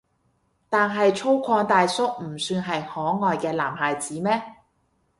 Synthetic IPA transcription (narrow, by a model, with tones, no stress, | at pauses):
t̪aː˨nɦɐ˨jt͡ʃʰo˥wkʷʰɔː˧ŋt̪aː˨jsʊ˥k̚m̩˨˩syː˧nɦɐ˨jhɔː˨˥ŋɔː˨jkɛː˧laː˨˩mɦaː˨jt͡siː˨˥mɛː˥